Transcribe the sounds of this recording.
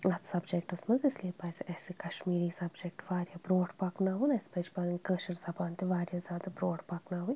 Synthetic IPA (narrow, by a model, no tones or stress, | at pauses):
ɐt̪ʰsɐbd͡ʒek̚ʈɐsmɐnzɪsliepɐːseʔɛːsekɐʃmiːɾiːsɐbd͡ʒekʈʋaːɾjaːbɾoːɖpɐknaːɦunɐspet͡ʃbɐnkəːʃɐɾzɐbaːnt̪eʋaːɾjazʲjaːd̪abɾoːɖpɐknaːɦuj